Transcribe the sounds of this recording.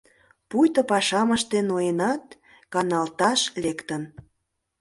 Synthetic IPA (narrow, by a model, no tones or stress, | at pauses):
pujt̪ə̆pɑʃɑməʃt̪enoenɑt̪ | kɑnɑlt̪ɑʃlekt̪ən